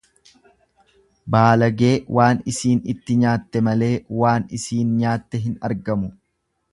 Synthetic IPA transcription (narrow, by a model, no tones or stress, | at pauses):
baːlɐɡe̞ːwʔaːnɪsiːnɪt̪ːɪɲaːt̪ːɛmɐle̞ːwaːnɪsiːnɲaːt̪ːɛɦɪnɐ̰ɾɡɐmʊ